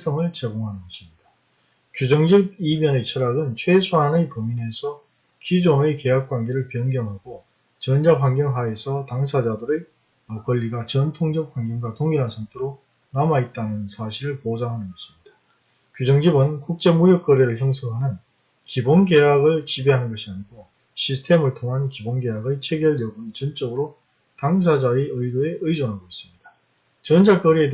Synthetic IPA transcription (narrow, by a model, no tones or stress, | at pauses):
s͈ʰʌŋɯɭt͡ɕeɡoŋɦanɯnɡʌɕʰimɲid̥a | kjud͡ʑʌŋd͡ʑib̚imjʌnet͡ɕʰʌɾaɡɯnt͡ɕʰwesʰuɦanɯpomine̞sʰʌ | kid͡ʑoŋeke̞ɦak̚k͈wanɡe̞ɾɯɭpjʌnɡjʌŋɦaɡo | t͡ɕʌnd͡ʑapwanɡjʌŋɦae̞sʰʌtaŋsʰad͡ʑadɯɾɯ | ʌkʌʎːiɡat͡ɕʌntʰoŋd͡ʑʌp̚ɸanɡjʌŋɡwatoŋiɾansʰaŋtʰeɾo | namait̚t͈anɯnsʰaɕʰiɾɯɭpod͡ʑaŋɦanɯnɡʌɕʰɯ̥mɲid̥ḁ | kjud͡ʑʌŋd͡ʑibɯnkuk̚t͡ɕ͈e̞mujʌk̚k͈ʌɾiɾɯɭçjʌŋsʰʌŋɦanɯn | kibonɡe̞jaɡɯɭt͡ɕibeɦanɯnɡʌɕʰiaɲiɡo | ɕʰisʰɯ̥tʰe̞mɯɭtʰoŋɦankibonɡe̞ɦaɡɯɭt͡ɕʰeɡjʌɭjʌɡɯnt͡ɕɯnt͡ɕ͈ʌɡɯɾo | taŋs̬ʰad͡ʑaeɯidoe̞ʔɯjd͡ʑʌnɦaɡois͈ɯ̥mɲid̥a | t͡ɕʌnd͡ʑak͈ʌɾie̞d